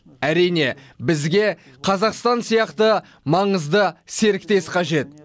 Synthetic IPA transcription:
æɾijne̞ | bɪzɡʲe̞ | qʰɑzɑqst̪ɑnsijɑqt̪ə | mɑɴəzd̪əse̞ɾɪk̚t̪e̞sqʰɑʒe̞t̪̚

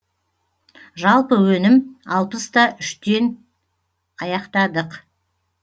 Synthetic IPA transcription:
ʒɑlˠpəwɵnɪmɑlˠpəst̪ɑʔʏʃt̪e̞n | ɑjɑqt̪ɑd̪əq

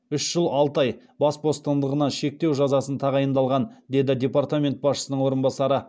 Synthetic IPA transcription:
ʏʃʒ̥əlˠɑlˠt̪ɑj | bɑsbo̞st̪ɑnd̪əʁənɑʃe̞k̚t̪e̞wʒɑzɑsənt̪ʰɑʁɑjənd̪ɑlˠʁɑnd̪e̞d̪ɪd̪ʲe̞part̪amʲe̞nt̪̚bɑsʃəsənəɴwo̞ɾənbɑsɑɾə

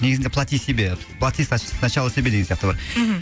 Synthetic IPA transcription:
ne̞ɡɪznd̪e̞plˠat̪ʲijsebe | pʰlˠat̪ʲijsɑʃnɑʃɑlˠəsebed̪eɡesjaɑqt̪əbɑɾ

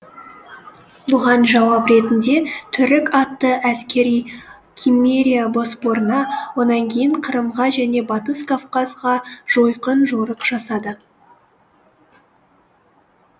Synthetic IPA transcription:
bʊʁɑnʒɑwɑpɾe̞t̪ɪnd̪e̞t̪ʰʏɾɪkɑt̪ːəʔæskʲe̞ɾij | kʲʰimːeɾʲijabo̞sbo̞ɾənɑwo̞nɑŋkʲʰe̞jɪɴqʰəɾəmʁɑʒæne̞bɑt̪əskʰafqɑzʁɑʒ̥o̞jqənʒoɾəqʒ̥ɑsɑd̪ə

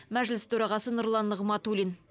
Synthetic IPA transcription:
mæʒlɪst̪ʰɵɾɑʁɑsənʊɾlˠɑnːəʁmɑt̪ulʲin

